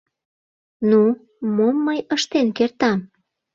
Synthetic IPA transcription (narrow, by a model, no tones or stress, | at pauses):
nu | momːəjəʃt̪enkert̪ɑm